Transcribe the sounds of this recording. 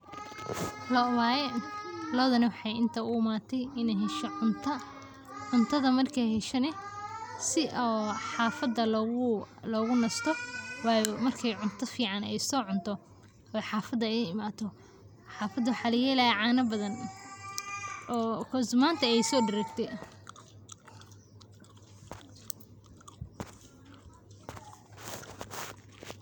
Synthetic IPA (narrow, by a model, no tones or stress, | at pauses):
lɔwaːjɛlɔːðɐnɐwɑħɑjɪnt̪ʰɐʊmaːt̪ʰɛjɪnɛjɦɛʃɔʊnt̪ʰɐ | ʕʊnt̪ʰɐðɐmɐrkʰɛjɦɛʃɐnɛsɪʔɔːħɑːfɐd̪ɐlʊ | lɔːɣʊnɐst̪ʰɔwɑːjɔmɐrkʰɛjʕʊnt̪ʰɐfiːʕɑnɛjsɔːʕʊnt̪ʰɔ | ɔħɑːfɐd̪ɐɛjɪmaːt̪ʰɔ | ħɑːfɐd̪ʊħɑlɛjɛlɐɛʕaːnɐbɐðɐn | ɔːkʰɔsmaːnt̪ʰɐɛjsɔːɖɪɾɐɡt̪ʰɛ